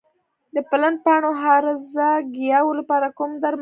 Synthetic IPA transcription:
d̪əpalan̚pɑɳoɦɑɾɪzaɡijɑwolapɑɾakumd̪aɾm

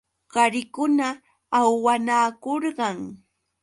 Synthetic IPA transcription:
ɢ̥ɑɾɪkʊnaː | wwanaːkoɾɢɑŋ

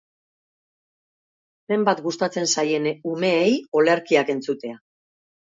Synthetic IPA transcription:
be̞mbat̪ɡust̪at͡se̞nsaje̞nume̞ːjo̞leɾkiake̞nt͡sut̪e̞a

